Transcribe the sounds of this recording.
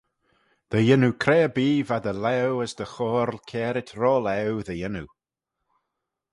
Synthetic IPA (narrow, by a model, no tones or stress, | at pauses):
ð̥əjənukʰɾɛːbiːvad̪əlɛwəsd̪əxɔːɾlˠkʰɛːɾɪtʰɾɔːlɛwðəjɪnu